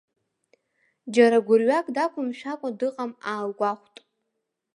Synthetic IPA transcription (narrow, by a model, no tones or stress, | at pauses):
d͡ʒaɾaɡʷʊrɥakʼdakʷʰʊmʃᶣakʷʼadɨqʼamaːlɡʷaχʷtʼ